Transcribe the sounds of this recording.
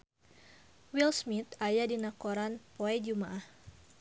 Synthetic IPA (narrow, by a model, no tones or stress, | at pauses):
wilsmit̪ajadinakoɾanpoɛd͡ʒumaʔah